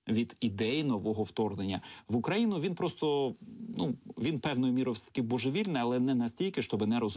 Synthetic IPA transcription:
ʋʲid̪id̪ɛjinɔʋɔɦɔwt̪ɔrnenʲːɐʋʊkɾɐjinʊʋʲinpɾɔst̪ɔnuʋʲinpɛwnɔjʊmʲiɾojsɛt̪ɐ̥kɪbɔʒeʋʲilʲnɪɐlˠɛnɛnɐsʲtʲilʲkɪʃt͡ʃɔbɪnɛɾɔz

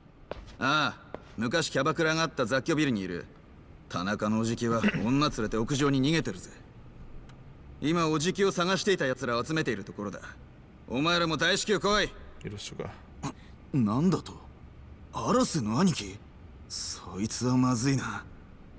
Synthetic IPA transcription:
a | mɯ̟kaɕi̥kʲabakɯɾaŋaːt̪ːazakʲːo̞bʲiɾɯ̟ɲ̟iːɾɯ̰ | t̪ʰanakano̞ːʑikʲiβaõ̞nːat͡sɨɾe̞t̪e̞o̞kɯ̟ʑo̞ːɲ̟iɲ̟iŋe̞t̪eɾɯ̟ze | imao̞ʑikʲio̞saɡaɕi̥t̪e̞it̪ajat͡sɨɾaːt͡sɨme̞t̪e̞iɾɯ̟t̪o̞ko̞ɾo̞d̪a̰ | omaeɾamo̞d̪aiɕi̥kʲɨːkoiiɾoɕoka̰ | nãnd̪at̪o̥ | aɾasenːoaɲ̟ikʲi | soit͡sɨβamazɨina

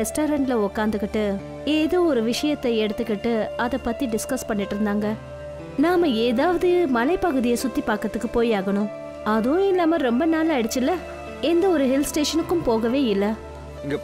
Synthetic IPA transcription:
ɛsʈoːɾɐɳʈlɐɔkːaːnd̪ɯkːɪʈːɯ | eːðoːɔɾɯʋɪʂɐjɐt̪ːɐɛɽɯt̪ːɯkːɪʈːɯɐðɐpːɐt̪ːiɖɪskɐspɐɳːɪʈːɪɾɯnd̪aːŋɡɐ | naːmɐeːðaːʋɐðɯmɐlɐɪpɐɣɯðɪjɐsʊt̪ːipaːɾkɾɐt̪ːɯkːɯpoːjaːɣɐɳʊ̃ | ɐðɯ̃ɪlːaːmɐɾɔmbɐnaːlaɛɽɯt͡ʃːɪlːɐ | ɛnd̪ɐɔɾɯɦɪlsʈeːʂɐnɯkːɯmpoːɣɐʋeːɪlːɐ | ɡ

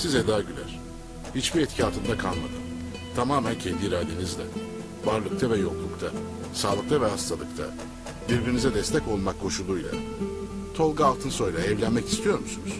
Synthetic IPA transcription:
sizɛd̪aːɟylʲæ̰ɾ̥ | hit͡ʃbiɾɛt̪cʰaːt̪ʰɯnd̪akʰalˠma̰d̪ɯm | t̪ʰamaːmæncʰɛnd̪iɾaːd̪e̞nizd̪ʲɛ̰ | vaɾlˠɯk̚t̪ʰavɛjo̞klˠukt̪ʰa | saːlˠɯkt̪avɛɦast̪ʰalˠɯkt̪ʰa̰ | biɾbiɾinizɛd̪ɛst̪ʰɛco̞lˠmakʰːo̞ʃulˠuːjlʲˠa̰ | t̪ʰo̞lˠɡaalˠt̪ʰɯnso̞jlˠaɛvlʲænmɛci̥st̪ʰijo̞ɾmusunuz̥

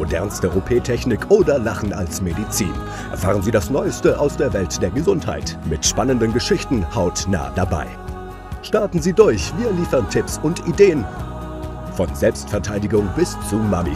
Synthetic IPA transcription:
odɛ̰ɐnstəʁopʰeːtʰɛçnɪkʔoːdɐlaχn̩a̰lsmedit͡sḭːn | ʔɛ̰ɐfaːʁ̞ənziːdasnɔʏəstəʔaʊsd̥eːɐvɛltd̥eːɐɡəzʊntha̰ɪtmɪtʃpanəndənɡəʃɪçtn̩haʊtna̰ːdaba̰ɪ | ʃtaɐtn̩ziːdʊɐçv̥iːɐliːfɐʁntʰɪpsʊntʔideːən | fɔnzɛlpstfɛɐtʰaɪdɪɡʊŋbɪst͡suma̰mḭ

